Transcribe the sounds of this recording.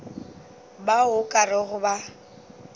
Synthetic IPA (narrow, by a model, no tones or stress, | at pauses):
baʊkʼarɪɣʊba